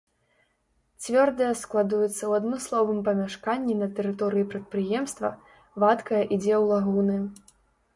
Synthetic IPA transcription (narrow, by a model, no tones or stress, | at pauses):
t͡sʲvʲɔrd̪ɐjɐsklˠad̪ujɛt̪sːɐwad̪nɔslˠɔvɨmpɐmʲaʂkanʲːinɐt̪ɛɾɨt̪ɔɾɨjipɾɐt̪̚pɾɨjɛmst̪vɐ̰ | vat̪kɐjɐʔid͡zʲɛwlˠaɣunɨ